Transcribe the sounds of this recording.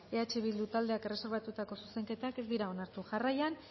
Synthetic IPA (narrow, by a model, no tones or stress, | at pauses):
e̞at͡ʃeβ̞ild̪ut̪ald̪e̞akere̞se̞ɾβat̪ut̪ako̞suse̞ŋke̞t̪ake̞zd̪iɾao̞naɾt̪uʝarajan